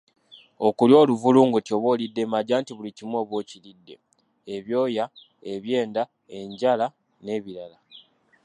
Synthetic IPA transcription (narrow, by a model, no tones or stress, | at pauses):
o̞kuljo̞ːluvuluːŋɡutjo̞βo̞ːlidːe̞maɟaːntiβulicimwo̞ːβwoːcilidːe̞̰ | eβjo̞ːja | e̞βje̞ːnda | e̞ɲɟala | ne̞ːβiɾala